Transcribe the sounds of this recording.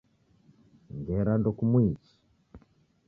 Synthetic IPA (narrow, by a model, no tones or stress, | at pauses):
ŋɡɛɾandɔkumwit͡ʃi̥